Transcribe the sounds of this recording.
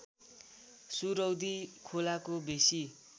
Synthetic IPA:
suɾʌwd̪ikʰolakobesi

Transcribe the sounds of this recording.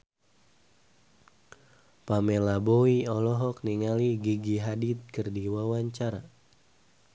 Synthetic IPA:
pamelaboiɔlɔɦɔk̚niŋaliɡiɡiɦadit̪̚kɨrdiwawaɲt͡ʃaɾa

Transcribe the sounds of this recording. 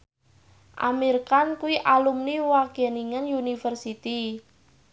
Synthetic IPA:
ʔa̰mirkankuiʔalumniwakeniŋənjunifərsit̪i

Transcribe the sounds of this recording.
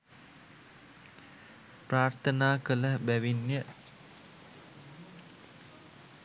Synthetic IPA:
praːrt̪ʰənaːkələbæʋinjə

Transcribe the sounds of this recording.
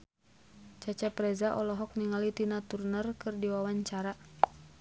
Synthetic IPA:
t͡ʃat͡ʃapɾɛzaʔɔlɔɦɔk̚niŋalit̪inat̪urnərkɨrdiwawaɲt͡ʃaɾa

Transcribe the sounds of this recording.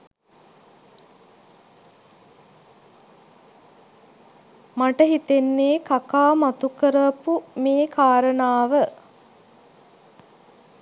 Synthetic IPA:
maʈəɦit̪enːeːkakaːmat̪ukəɾəpumeːkaːɾənaːʋə

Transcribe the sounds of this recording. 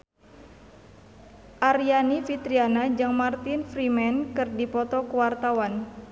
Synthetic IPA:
ʔaɾianifit̪ɾianad͡ʒaŋmart̪infɾimɛnkɨrdipɔt̪ɔkəwart̪awan

